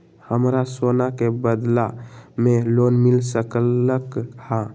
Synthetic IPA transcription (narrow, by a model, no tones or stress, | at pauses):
həmɾasonakebəd̪lamelonmilsəkəkhã